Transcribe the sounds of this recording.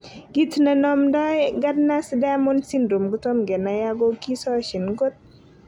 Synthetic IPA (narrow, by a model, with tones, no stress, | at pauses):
ɡ̥i˦tna˨nɔ˦mdɔ˦ɡa˦dna˦sdɛ˦mɔ˦nsi˦nɾu˨mɡʊ˦tɔ˦mɡɛ˨na˨ja˦ɡɔ˦ki˦sɔ˦ʃi˨nɡo˦t̚